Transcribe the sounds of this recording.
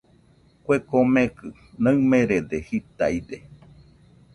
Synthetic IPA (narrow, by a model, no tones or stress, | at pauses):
kʷekomẽkɨ | nãɨmẽɾed̪ehit̪a̰jd̪e